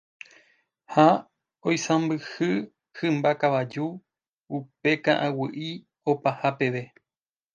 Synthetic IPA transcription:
ha | ojsãmbɨhɨ | hɨ̃mbakaʋad͡ʒu | upe̞kã̰ʔãwɨʔi | opahape̞ʋe̞

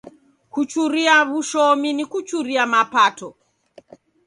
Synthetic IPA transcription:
kut͡ʃuɾiaβuʃɔminikut͡ʃuɾiamapatɔ

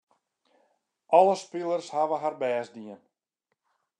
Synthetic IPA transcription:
ʔɔlˠəspilˠərshaʋəɦarbɛːsdiən

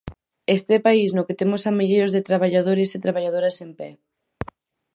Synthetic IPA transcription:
est̪epaisnʊket̪emʊsamiʎejɾozðet̪ɾaβ̞aʎað̞oɾeset̪ɾaβaʎað̞oɾɐsempɛ

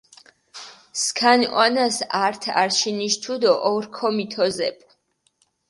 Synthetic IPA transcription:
skʰanwanasaɾt̪ʰa̰ɾʃiniʃt̪ʰud̪ɔʔɔɾkʰɔmit̪ʰɔzɛ̰pʼ

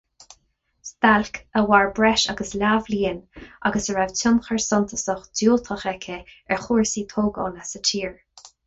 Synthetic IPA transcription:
st̪alkʰəwaɹbɹɛʃaɡəslavliːənʔaɡəsəɹavtʰʊnxəɹsɔnt̪ʰə̥səxdjoːlt̪ʰəxɛkʰəɛɹxuːɹsiːt̪ʰoːɡɔ̰nasət͡ʃʰiːɹ

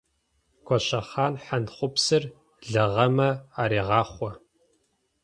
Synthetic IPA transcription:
kʷɔɕɐχaːnħanχʷʊpsɨr | ɮɐʁɐmɐaːɾiːʁɑːχʷɔ

